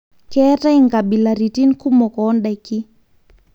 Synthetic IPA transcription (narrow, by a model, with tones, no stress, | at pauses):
kɛ˦ta˦i˦˨ŋɡa˨bi˨la˨ɾi˨ti˦nku˦mɔ˨kɔ˨˦nda˨ki˦